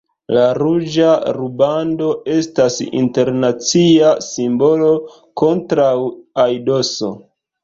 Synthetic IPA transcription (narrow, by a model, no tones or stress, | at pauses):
laɾud͡ʒaɾubando̞e̞stasḭnte̞ɾnat͡siasimbo̞lo̞ | ko̞ntɾawajdo̞so̞̰